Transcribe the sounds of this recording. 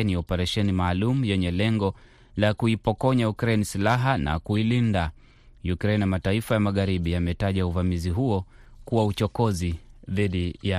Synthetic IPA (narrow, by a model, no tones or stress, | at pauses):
niɔpɛɾɛʃɛnimaːlumujɛɲɛlɛŋɡɔ | lakuipɔkɔɲajukɾɛnisilaɦana̰kuilinda | jukɾɛnamataifajamaɣaɾiɓiamɛtaʄauvamiziɦuɔ | kuwaut͡ʃɔkɔziðiɗija